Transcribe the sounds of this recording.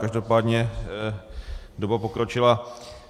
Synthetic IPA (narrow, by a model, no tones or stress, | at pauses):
kaʒdo̞paːdɲɛ | dobapokɾot͡ʃɪla